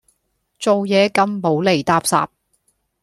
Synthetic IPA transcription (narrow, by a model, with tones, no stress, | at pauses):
t͡so˨wjɛː˨˧kɐ˧mpo˨˥wle˨˩jt̪aː˧p̚sa̰ː˨p̚